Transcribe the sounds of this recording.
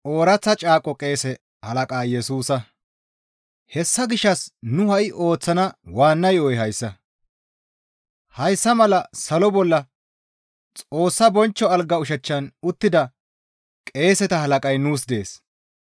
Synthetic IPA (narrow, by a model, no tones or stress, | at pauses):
ʔo̞ːɾɐt͡sːɐt͡ʃʼaːkʼɔkʼe̞ːsɛ | hɐlɐkʼaːjɛsuːsɐ | hɛsːɐɡɪʃːɐsnʊhɐʔɪʔo̞ːt͡sːɐnɐwaːnːɐjojɦɐjsːɐ | hɐjsːɐmɐlɐsɐlɔbɔlːɐ | t͡sʼo̞ːsːɐbɔnt͡ʃːɔɐlɡɐʊʃ̬ɛt͡ʃːɐnʊt̪ːɪd̪ɐ | kʼe̞ːsɛt̪ɐhɐlɐkʼɐjnuːs̬d̪e̞ːs